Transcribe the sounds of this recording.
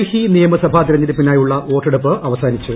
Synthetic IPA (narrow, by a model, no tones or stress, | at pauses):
hinijɐmɨsɐbʱaːt̪iɾɐɲːɐðɨpːinaːjuɭːɐʔo̞ːʈːeɽupːɨʔɐʋɐsaːnit͡ɕːu